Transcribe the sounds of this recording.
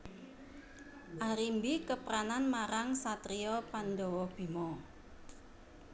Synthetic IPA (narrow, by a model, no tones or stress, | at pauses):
ʔaɾimbikəpɾananmaɾaŋsat̪ɾiɔpanɖɔwɔb̥i̤mɔ